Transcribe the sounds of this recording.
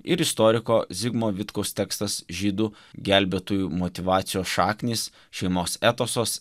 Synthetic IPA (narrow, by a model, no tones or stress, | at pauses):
ɪɾɪst̪ɔːɾʲɪkoːzʲɪɡmoːʋʲɪt̪kɒʊst̪ʲɛːkst̪ɐsʒʲiːd̪uː | ɡʲælʲbʲɛt̪uːjumɔt̪ʲɪʋɑːt̪sʲɪjoːsʃɑːknʲiːs | ʃʲɛɪmoːsæːt̪oːsoːs